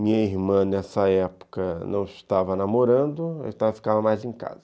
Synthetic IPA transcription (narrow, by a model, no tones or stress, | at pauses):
mĩɲɐiɾmɐ̃nɛsɐɛpʊ̥kɐnɐ̃w̃ɪʃt̪avɐnamoɾɐ̃d̪ʊat̪avɐfi̥kavɐmajzẽka̰zɐ